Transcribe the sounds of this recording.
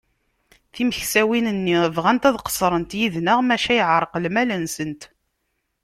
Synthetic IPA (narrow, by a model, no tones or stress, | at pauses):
θiməçsæwinənːivʁænt̪æðqə̥sˤɾˤənt̪jiðnəʁmæʃæjəʕɾˤəqlmælənsənt̪